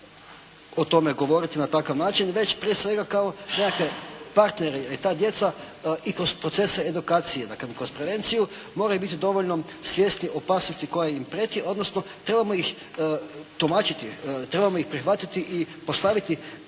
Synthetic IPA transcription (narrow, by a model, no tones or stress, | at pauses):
ot̪o̞meɡo̞ʋo̞ɾit̪inat̪akaʋnaːt͡ʃinʋe̞t͡ɕpɾijesʋe̞ɡakao̞nekakʋe̞paɾt̪neɾejelit̪aːd̪je̞t̪sa | ikɾo̞spɾo̞t̪se̞seed̪ukaːt̪sijed̪a̰klemkɾospɾe̞ʋe̞nt̪sijumo̞ɾajubit̪id̪o̞ʋo̞ʎno̞sʋjest̪nio̞paːsnost̪iko̞jaimpɾet̪iʔo̞d̪nosnot̪ɾe̞bamojix | t̪umat͡ʃit̪it̪ɾe̞bamojixpɾixʋat̪it̪iʔipo̞st̪aʋit̪i